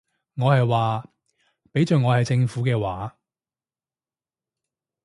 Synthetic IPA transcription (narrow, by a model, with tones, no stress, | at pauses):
ŋɔː˨˧hɐ˨jwaː˨˩ | pe˨˥jt͡sœː˨ŋɔː˨˧hɐ˨jt͡sɪ˧ŋfuː˨˥kɛː˧waː˨˧